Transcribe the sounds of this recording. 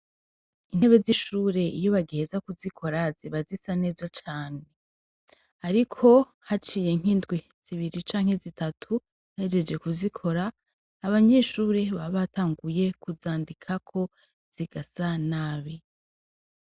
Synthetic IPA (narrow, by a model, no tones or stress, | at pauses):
in̥e̞βe̞ziʃuːɾe̞ijo̞βaɡihezakuzikʰo̞ɾaziβazisane̞ːzat͡ʃaːne̞ | aɾikʰo̞ | hat͡ʃiːje̞ŋ̥ɦiːndɡwi | z̥iβiɾit͡ʃaːŋ̥e̞zitatʰu | jaed͡ʒe̞d͡ʒɡe̞kuzikʰo̞ɾaː | βaɲe̞ʃuːɾe̞βaβataːŋɡuje̞kuzaːndikʰakʰo̞ | z̥iɡasanaːβi